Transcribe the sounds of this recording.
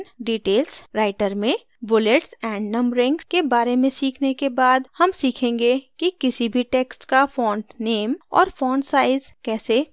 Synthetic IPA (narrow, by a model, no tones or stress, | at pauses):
ɖiːʈeːlsɾaːɪʈəɾmẽ | bʊleʈsɛ̃ːɳɖnɐ̃mbɾɪ̃ŋɡskebaːɾemẽsiːkʰnekebaːd̪hɐmsiːkʰẽːŋɡekikɪsibʱiʈeːksʈkafɔ̃ːɳɖneːmɔ̰ːɾfɔ̃ːɳɖsaːɪzkɛːse